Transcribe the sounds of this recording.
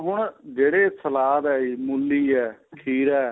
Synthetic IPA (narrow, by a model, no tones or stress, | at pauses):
ɦʊɳd͡ʒeːɽeːsəlaːd̪ɛːiːmulːiːɛːkʰiːɾɛː